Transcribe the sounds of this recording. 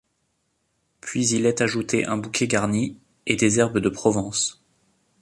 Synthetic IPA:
pɥizilɛt̪aʒut̪eʔɛ̃bukʰʲɛɡaʁni | ed̪ezɛʁbəd̪əpχɔvɑ̃s

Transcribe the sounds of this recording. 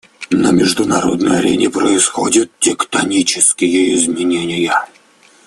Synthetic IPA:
nəmʲɪʐd̪ʊnaɾo̞̰d̪nəjɐɾʲḛnʲɪpɾəɪsxo̞dʲɪt̪̚tʲɪkt̪ɐnʲit͡ɕɪskʲɪjəɪzmʲɪnʲenʲɪjə

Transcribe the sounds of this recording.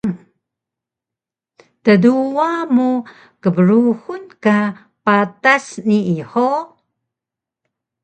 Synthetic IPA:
təduwamu | kəbəɾuhunka | patasniiħo

